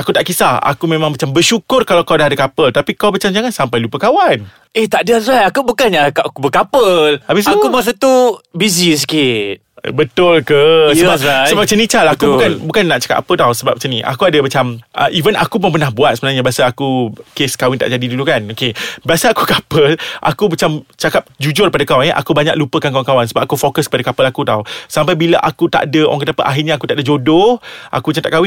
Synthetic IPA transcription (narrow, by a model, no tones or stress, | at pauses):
akut̪aʔkisaa̰kumẽmãŋmat͡ʃambərʃukʊrkalawkawdaɦadakapəlt̪apikawmat͡ʃamd͡ʒaŋansampajlupəkawan | eht̪aʔdarajakubukanjakkubəkapəlabɪs̬akubas̬at̪ubizis̬ikɪt̪̚bət̪ʊlkəsəbasəbap̚t͡ʃənĩt͡ʃalakubukanbukanːaʔt͡ʃə̥kat̪ʔa̰pət̪awsəba̰p̚t͡ʃəniʔa̰kuadəmat͡ʃamʔə̰ʔivəna̰kup̬ənmpərnahbuat̪̚səbənaŋɲabiasaakukeskawɪnt̪aʔd͡ʒadidulukanokebiasaakukapəlʔa̰kumat͡ʃamt͡ʃakap̚d͡ʒud͡ʒʊr̚padakawanɛʔa̰kubaɲaklupəkankawankawansəbap̚ʔakufokəskəpadakapəlakut̪awsampajbilaʔakut̪a̰ʔdəʔa̰ŋkət̪apəʔaɦɪrɲaakut̪aʔdəd͡ʒodohʔa̰kumat͡ʃamt̪aʔkawɪn